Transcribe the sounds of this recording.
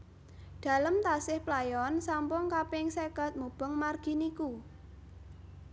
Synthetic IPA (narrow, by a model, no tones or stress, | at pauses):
ɖ̪̥a̤ləmt̪asɪhplajɔnsampʊŋkapɪŋseɡa̤t̪̚mub̥əŋmarɡ̥i̤niku